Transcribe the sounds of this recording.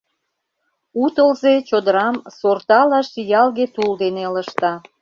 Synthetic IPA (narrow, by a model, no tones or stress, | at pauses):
ut̪əlzet͡ɕod̪əɾɑmsort̪ɑlɑʃijɑlɣet̪uld̪eneləʃt̪ɑ